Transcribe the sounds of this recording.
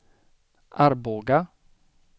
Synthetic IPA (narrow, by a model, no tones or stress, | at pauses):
ʔaɾboːɡa